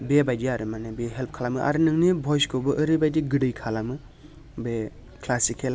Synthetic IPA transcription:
bebajdiaɾɯmanebeɦelp̚ʰkʰalamɯʔa̰ɾɯnɯŋnibʱɔjskobɯʔːɾɯbajdiɡɯdɯjkʰalamɯ | be | kʰlasikʰela

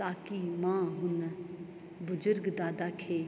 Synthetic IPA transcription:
t̪aːkimãːɦʊn | bʊd͡ʒʊɾɡd̪aːd̪aːkʰeː

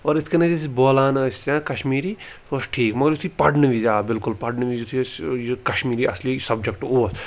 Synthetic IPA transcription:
ɔːɾɪskenɐ̃d͡ʒisboːlaːnɐst͡ʃãkɐʃmiːɾi | t̪oːsʈʰiːkmɐɡəɾʊt̪ʰipɐɖnɨʋid͡ʒaːbɪlkʊlpɐɖnɨʋid͡ʒut̪ʰisjkɐʃmiːɾiɐslisɐbd͡ʒɐkʈoːs

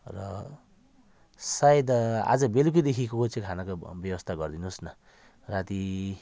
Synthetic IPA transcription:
rʌ̰ | sajed̪a̰d͡zʌbeluk̬id̪ekʰikokot͡sẽkʰanakobjʌwʌst̪ʰaɡʌrd̪inusnʌ | rat̪i

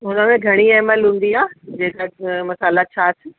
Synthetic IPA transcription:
ɦʊnəmẽɡʱɐɽ̃iɛːməlɦũːn̆d̪iaːd͡ʑeːkamɐsaːlat͡ɕʰasʰ

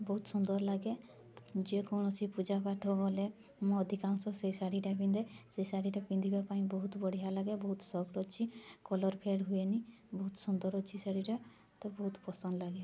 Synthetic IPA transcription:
bɔɦut̪sund̪ɔɾlaɡe | d͡ʒekɔnɔt͡ʃipud͡ʒapaʈʰɔɡɔle | mɔ̃ɔd̪ʱikamsɔ̃sejsaɽiʈapĩnd̪eseisaɽiʈapĩnd̪ibapaĩbɔɦut̪bɔɽ̤iɦalaɡebɔɦut̪sɔkʈɔt͡ʃʰikɔlɔɾpʰeɽɦueni | bɔɦut̪sund̪ɔɾɔt͡ʃʰisaɽiɾe | t̪ɔbɔɦut̪pɔsɔnd̪laɡe

